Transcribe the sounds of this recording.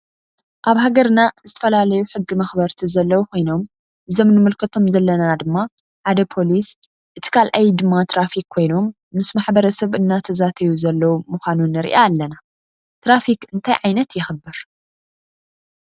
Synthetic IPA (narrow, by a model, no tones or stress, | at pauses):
ʔaβhaɡɐɾnazɨt̪ʰɐ̥fɐlalɐjuħɨɡːimɐxbɐɾt̪ʰizɐlːɐwukʰo̞jno̞m | ʔɨzo̞mnɨmɨlkʰɐt̪ʰo̞mzɐlːɐnad̪ɨmːa | ħad̪ɐpʰo̞lis | ʔɨt̪ʰi̥kʰalʔajd̪ɨmːat̪ʰɾafikʰːo̞jno̞mː | ɨsmaħbɐɾɐsɐβʔɨnːat̪ʰɐzat̪ʰɐjuzɐlːɐwumuxʷanunɨɾḭʔaːlːɐna | t̪ɾafikɨnt̪ʰajʕajnɐt̪jɪxɨbːɨɾ